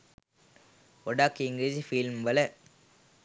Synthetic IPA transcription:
ɔɖaːkɪŋɡlid͡ʒfilmʋɐlɐ

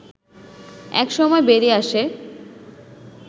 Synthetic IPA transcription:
ɛ̰kʃɔmɔebeɾiaʃe

